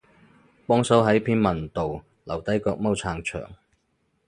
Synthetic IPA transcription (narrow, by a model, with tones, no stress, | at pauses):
pɔː˥ŋsɐ˨˥wɦɐ˨˥jpʰiː˥nmɐ˨˩nt̪o˨w | lɐ˨˩wt̪ɐ˨˥jkɔː˧k̚mɐ˥wt͡sʰaː˧ŋt͡ʃʰœ̰ː˨˩ŋ